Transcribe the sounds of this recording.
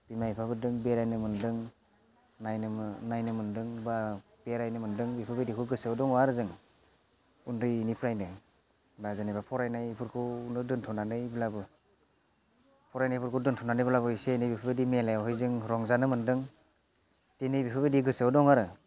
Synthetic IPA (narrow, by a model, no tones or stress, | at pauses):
bimajpʰabɯdɯŋbeɾajnɯmɯndɯŋ | najnnajnɯmɯndɯŋba | b̥eɾajnɯmɯndɯŋbipʰɯbedikʰɯɡɯsɯwdɔŋɔaɾɯzɯŋ | undɯjnipʰɾajnɯ | bazanajbapʰɔɾajnajpʰɯɾkʰɯunɯdɯntʰɔnanɯjbɯlabɯ | pʰɔɾajnajpʰuɾkʰɯdɯntʰɔnanɯjbɯlabɯisenɯjbipʰɯbedimelajawɦɔjzɯŋɾɔŋzanɯmɯndɯŋ | tenɯjbipʰɯbediɡɯsɯwdɔŋaɾɯ